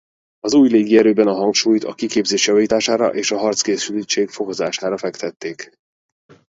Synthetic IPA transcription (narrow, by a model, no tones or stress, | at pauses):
ɒzuːjleːɡiɛɾøːbɛnɒɦɒŋkʃuːjt̪ɒ̰kikeːbzeːʃjɒviːt̪aːʃaːɾɒ̰ʔeːʃɒɦɒrt̪skeːsylit͡ʃeːkfo̞ko̞zaːʃaːɾɒfɛkt̪ɛt̪ːeːk